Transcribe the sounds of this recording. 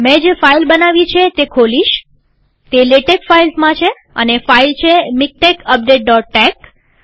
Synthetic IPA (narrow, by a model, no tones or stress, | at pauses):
mɛ̃d͡ʒefailbənaʋit͡ʃʰet̪ekʰoliʃ | t̪eleʈekfailsmãt͡ʃʰe | ə̰nefailt͡ʃʰemik̚ʈekəp̚ɖeʈ̚ɖɔʈ̚ːek